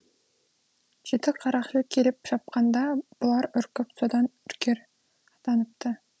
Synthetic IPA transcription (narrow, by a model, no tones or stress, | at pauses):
ʒ̥et̪ɪqʰːɑɾɑχʃəkʲʰelɪpʃɑp̚qɑnd̪ɑb̥ʊlˠɑɾɵɾkʲɪpsod̪ɑnʏɾkʲeɾ | ɑt̪ɑnəp̚t̪ə